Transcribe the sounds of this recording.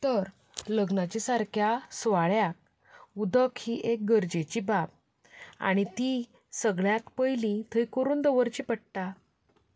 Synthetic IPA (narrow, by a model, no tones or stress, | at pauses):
t̪əɾ | ləɡnat͡ɕisaɾkʰjasʋaɭjak̚ | ud̪əkʰhiʔek̚ɡəɾd͡ʑet͡ɕibap̚ | a̰ɽ̃it̪i | səɡɭjak̪pəjlĩt̪ʰəjkəɾuːnd̪əʋəɾt͡ɕipəɽʈ̪a